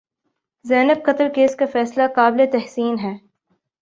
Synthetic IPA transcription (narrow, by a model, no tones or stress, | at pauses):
zɛːnəb̚qɐt̪əɾkeːskafɛːslakaːblet̪ɛɦsiːnɦɛː